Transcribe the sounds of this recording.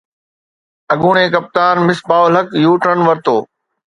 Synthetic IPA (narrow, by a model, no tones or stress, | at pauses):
ɐɡuːɳ̃ẽːkɐp̚t̪aːnmɪsbaːʋəlɦəkjuːʈənʋɐɾt̪oː